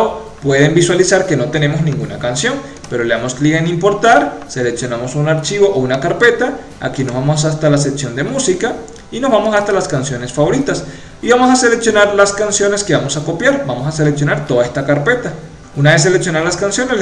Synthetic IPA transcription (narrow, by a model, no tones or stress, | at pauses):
o | pwe̞ðembiswalisaɾke̞no̞t̪e̞ne̞moznĩŋɡunakansjo̞n | pe̞ɾo̞leamoskliɣaenĩmpo̞ɾt̪aɾse̞leksjo̞namo̞sunaɾt͡ʃiβo̞ʔounakaɾpe̞t̪a | a̰kinozβamos̬ast̪alas̬eksjo̞nd̪emusika | ino̞zβamo̞sast̪alaskansjo̞ne̞sfaβo̞ɾit̪as | iβamo̞s̬ase̞leksjonaɾlaskansjo̞ne̞skeβamo̞sako̞pjaɾbamosase̞leksjo̞naɾt̪o̞ðaest̪akaɾpe̞t̪a | unaβes̬eleksjo̞naɾlaskansjo̞ne